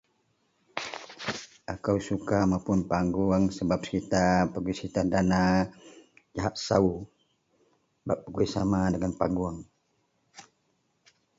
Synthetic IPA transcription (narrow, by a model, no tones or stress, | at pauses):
ʔakawsukamapʊnpaŋɡuaŋsəbap̚sə̥kit̪apəɡuisəkit̪adana | d͡ʒaɦaʔsau | baʔpəɡuisamadəŋanpaŋɡuaŋ